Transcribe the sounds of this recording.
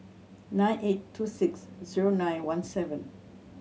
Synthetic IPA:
nãj̃nʔetʰːusɪksziɹonãj̃nwãnsɛvɛ̃n

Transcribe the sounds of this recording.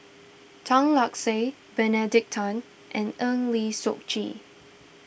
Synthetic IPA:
tʰɔ̃ŋlɔkse | bɛnɛdɪk̚tʰɔ̃n | ʔɛ̃nənlisok̚t͡ʃḭ

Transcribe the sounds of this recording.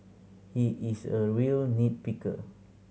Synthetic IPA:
hiʔisəɹiəlnit̚pikə̰

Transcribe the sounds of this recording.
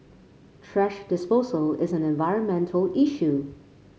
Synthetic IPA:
tʰɹ̥ɛʃd̥ɨspoʊzəlˠɪzɨ̃nɛ̃ɱvaɪɹə̃nmɛ̃ntʰl̩ˠiʃʉ

